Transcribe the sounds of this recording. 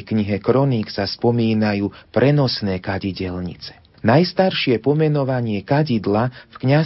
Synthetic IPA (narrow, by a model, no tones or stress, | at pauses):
kɲiɦɛkɾɔniksaspɔmiːnajuːpɾɛnɔsnɛːkaɟiɟɛlɲḭt͡sɛ̥ | najst̪aɾʃɪɛpɔmɛnɔʋaɲɪɛkaɟid̪lafkɲa